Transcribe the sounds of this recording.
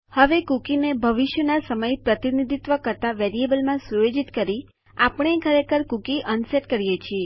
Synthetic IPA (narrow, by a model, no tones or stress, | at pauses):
həʋekukinebʱəʋiʃjənasəməjpɾət̪inid̪ʱit̪ʋəkəɾt̪aʋeɾiebəlmãsuʋed͡ʒit̪kəɾi | apəɳ̃ekʰəɾekəɾkukiʔənseʈkəɾijet͡ʃʰie